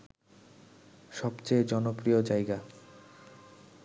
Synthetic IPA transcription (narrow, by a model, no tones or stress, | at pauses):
ʃɔbt͡ɕejd͡ʑɔnopɾiod͡ʑajɡa